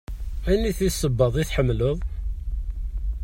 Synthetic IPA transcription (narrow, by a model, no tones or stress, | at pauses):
ænːiθisˤːəbːəðˤiθħəmːləðˤ